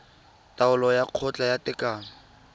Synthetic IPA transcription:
taʊlɔjaq͡χʰɔt͡ɬʼajatʼɪkʼaːŋ̩

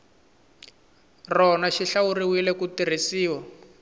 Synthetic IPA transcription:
rɔnaʃiɬawuriwilɛkutir̤isiːwa

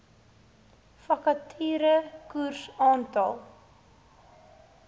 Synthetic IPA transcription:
fɐkɐtʰiːɾəkursɑːntɑlˠ

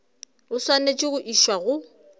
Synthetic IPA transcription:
ʊswanet͡ʃʼɪɣʊʔiʃwaɣʊ

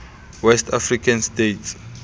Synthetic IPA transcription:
wɛstʰafrikʰãnstets

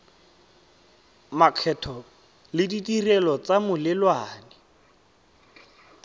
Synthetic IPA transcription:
makʰɛtʰɔ | lɪditʼirɛlɔt͡samʊlɪlwaːnɛ

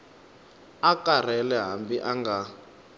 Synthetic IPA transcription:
akar̤ɛlɛɦambiʔaŋɡa

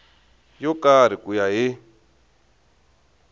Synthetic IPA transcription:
jɔkaɾ̤ikujaɦɪ

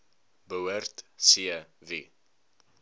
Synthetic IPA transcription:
bəwərtsiəvi

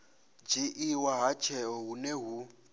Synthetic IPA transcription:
d͡ʒiʔiwaɦat͡ʃʰɛɔɦuneɦu

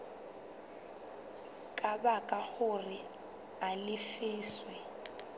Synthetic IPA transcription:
kʼabakʼaɣʊrɪ | alɪfɪːswɛ

